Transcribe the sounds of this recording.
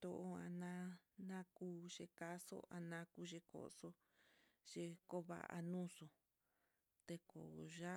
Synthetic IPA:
t̪o˧o˧ã˧nã˦nã˦kuː˦ʒe˧ka˦so̰˦ʔa˧nã˧˦ku˧ʒe˧ko̰˨ʔso˧˦ | ʒ̥e˧ko˦βa̰˧ʔa̰˧nũ˦so˧ | t̪e˧ko̰˨ʒa˦

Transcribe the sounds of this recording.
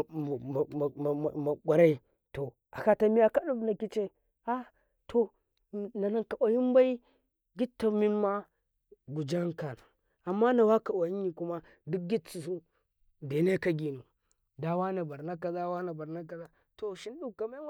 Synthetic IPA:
ma˨ɡʷa˨ɾa˦i˦ | to˨ | a˨ka˦ta˨mi˦a˦ka˦ɗu˦bna˨ki˦t͡ʃe˦ | a˦ | tʰo˦˨˦ | na˨na˦ŋka˨ʔa˨ji˦mba˦i˦ | ɡi˦tːa˨mi˦nma˦ | ɡu˨d͡ʒa˦ŋka˨n˨ | a˨mːa˦na˨wa˦ka˨wa˨ji˦nːi˨ku˦ma˦ | du˦k̚ɡʲi˦t͡si˨su˦ | de˨ne˦ka˦ɡi˨nu˨ | da˦wa˦na˨ba˨ɾna˦ka˨za˦wa˦na˨ba˨ɾna˦k̬a˨za˦ | to˨ʃi˦n˦ɗu˦ka˨ma˦

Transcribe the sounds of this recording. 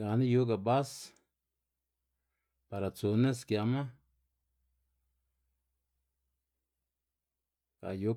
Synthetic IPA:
ɡa˨na˦ju˦ɡa˨ba˦s | pa˨ɾa˨t͡su˨ne˦skja˧ma˦ | ka̰˨ju˦

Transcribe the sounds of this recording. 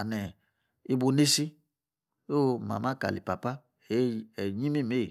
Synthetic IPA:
a˨nɛ˨ | i˦bo˧ne˦si˦ | o˦˨ma̰˨ma˦˨ka̰˨lḭ˨pa˨pa˦˨˦ | ɛ˨ɲĩ˦mi˦˨me˦˨

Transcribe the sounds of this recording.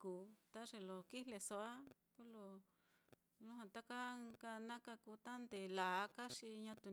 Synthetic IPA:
kuː˨t̪a˦ʐe˧lo˨ki˦le˧so˧a˦ | ku˦lo˧ | lu˦ɦã˧t̪a˦ka˦ka˧nã˦ka˧ku˧t̪a˦nd̪e˨la˨˦ka˦ʂi˧ɲã˧t̪u˧

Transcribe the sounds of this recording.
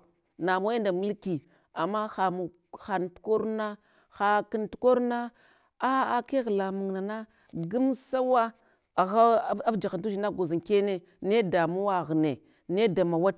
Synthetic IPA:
na˨mo˦je˦nda˨mə˦lki˨ | a˨mːa˦xa˨mu˨ | xa˨n˨tu̥˦ko˦ɾna˦ | xa˨ki˦ntu̥˦ko˦ɾna˦ | a˦a˨ke˦ɣla˨mu˨ŋna˨na˦ | ɡu˦msa˦wa˦˨ | ɣa˦a˦vd͡ʒa˨xa˨ntu˦ʃi˨na˦ɡo˨za˨ŋke˦ne˦ | ne˦da˨mu˦wa˨ɣne˨ | ne˦da˨ma˨wa˦t̚

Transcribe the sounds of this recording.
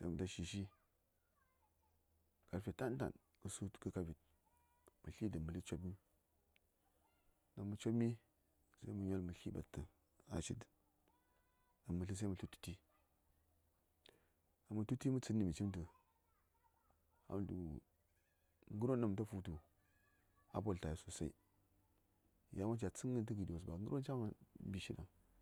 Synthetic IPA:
sa̰˦mə˨ta˦ʃi˨ʃi˦ | ka˨ɾfʲe˨ta˦n˦ta̰˨n | kə˨su˦tkə˦ka˦vi˨t̚ | mɨ˨ɬi˦də˨mɨ˨li˦t͡ʃo˦bmi˦ | na˨mə˨t͡ʃo˦bmi˦ | sa˦i˦mə˨ɲo˦lmɨ˨ɬi˦ba̰˨tːə˨ | a̰˨t͡ʃi˦t | a˨mːɨ˨ɬɨ˦s̬a˦mu˨ɬu˦tu̥˦ti˦ | a˨mːu˨tu˦ti˦mu˦t͡sɨ˦nːi˨mi˨t͡ʃi˦mt̬ə˨ | a̰˨m˨du˨ | ŋɡu˦ɾo˦nːa˨m˨t̬a˦fu˦tu˨ | a˦po˦˨lta˨ji˨so˨sa˦ḭ˦˨ | ja˦ma˦t͡ʃa˨t͡sɨ˦ŋːə˦˨tə˦ɡi˨do˨s̬ba̰˨ŋɡu˦ɾʔo˦nt͡ʃa˦ma˨bi˨ʃi˦da̰˨ŋ

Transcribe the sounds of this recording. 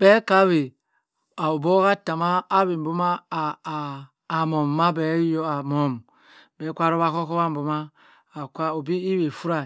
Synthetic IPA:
b̥e˦ka˦βe˨ | a˨o˨bo˦ka˦ta˨maː˦βi˨m̩˨bu˦ma˦˨ | mo˨mː˨a˦bɛ˨˦jo˦a˨mo˨m˨ | be˨˦kʷa˦ɾo˦βa˦ko˦ko˦βa˦m̩˨bu˨maː˦˨ | kʷa˦o˨bi˦i˦we˨fu˦ɾa˨

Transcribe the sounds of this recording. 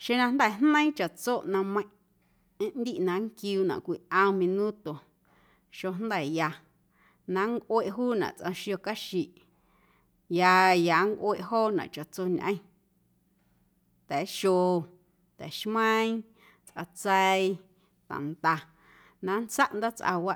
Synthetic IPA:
ʃe˧nã˧nd̪ɛ˦˨nnə̃˦ĩ˦t͡ʃa˨t͡so˦˨ʔnã˧mə̃˧˦ | ẽ˦ʔnd̪i˦ʔnã˧ŋkjuː˧nã̰˨kʷi˧˨ʔə̃˧mĩ˧nũ˦t̪o˨ | ʃo˧nd̪ɛ˨ja˧ | nã˧˦ŋkʷwe˧ʔɦuː˦nã̰˨ʔt͡sʔã˧ʃjo˧ka˦ʃi˨ʔ | ja˧ja˨ŋkʷʔwe˧ʔɦoː˦˨nã̰˨ʔt͡ʃa˨t͡so˧ɲʔə̃˧ĩ˦ | t̪ɛ˨˦ʃo˧ | t̪ɛ˨ʃmə̃˦ĩ˦ | t͡sʔa˧t͡sɛ˧i˧ | t̪ã̰˨nt̪a˧ | nã˧nt͡sa˦ʔnd̪a˦t͡sʔa̰˧wa˦ʔ

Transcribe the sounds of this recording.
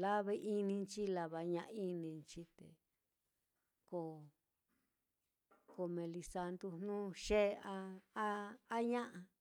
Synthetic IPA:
la˦βe˧˦ʔi˦nĩ˧nt͡ʃi˦la˧βa˨ɲã˧ʔi˦nĩ˧nt͡ʃi˦t̪ḛ˨ | ko˧˨ | ko˧mẽ˧li˧sa˧nd̪u˧n̥nũ˦ʃe˦˧a˧a˦a˦ɲã˦ʔa˧

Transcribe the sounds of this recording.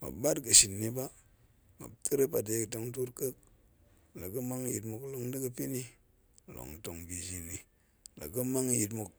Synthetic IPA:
ma̰˨ba˦tɡə˨ʃi˨nːi˦ba˦ | ma̰˨b̚tə˦ɾə˦pa˨de˨˦kto˨˦ŋt̬u˦tkə˦k̚ | la˨kə˦ma˦ŋji˨tmu˨klo˨ŋdə˦ɡə˦pi˦ni˦ | lo̰˨ŋto˨ŋbi˨d͡ʒi˨ni˨ | la̰˨ɡə˦ma˦ŋji˨tmu˨k̚

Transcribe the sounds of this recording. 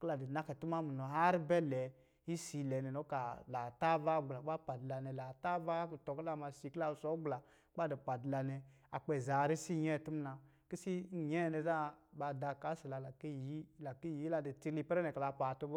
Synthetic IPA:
kla˨di˨na˦kɛ˨tu˦ma˦mu˨nɔ˨ɦa˦ɾbɛ˦lɛ˨ | i˦si˧lɛ˨nɛ˨nɔ˨˦ka˨la˨ta˦va˦ɡ͡bla˨˦a˦pa˨dla˨nɛ˨la˨ta˦va˦ktɔ˨kla˦˨ma˧si˨˧˨kla˧˨sɔ˨˦ɡ͡bla˨˦ | k͡pa˦di˨pa˨dla˧nɛ˧ | a˨k͡pɛ˨za˨ɾi˦si˦˨ɲɛ˦˨tu˦m˦na˧ | ki˦si˦˨ɲɛ˦˨nɛ˧za˦ɓa˧da˧ka˨˦si˨la˨la˨ki˦ji˦la˨ki˦˨ji˦la˧˨di˨ti˧li˧pɾɛ˦nɛ˨ka˨la˧pa˨tu˧b

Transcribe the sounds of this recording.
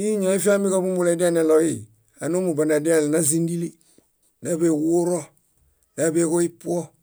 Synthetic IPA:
i˦ɲa˨i˦fi˦a˦mbi˦ka˦bu˦mbu˦le˨˦di˦a˦ne˨lo˨ji˦˨ | a˨nu˦mu˨ba˨na˨di˦a˦˨lna˦zi˦ndi˦li˦ | na˨˦be˨wu˦ɾo˦ | na˨˦be˦ko˦i˦pu˦o˦

